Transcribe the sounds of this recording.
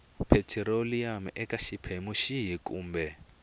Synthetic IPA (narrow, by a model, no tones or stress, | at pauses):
pʰɛtʰɛɾoliamɛkaʃipʰemuʃiɦikʼṵːmbɛ